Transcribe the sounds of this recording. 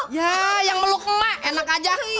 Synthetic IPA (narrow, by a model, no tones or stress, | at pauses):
jajaŋməlukəmaenakad͡ʒa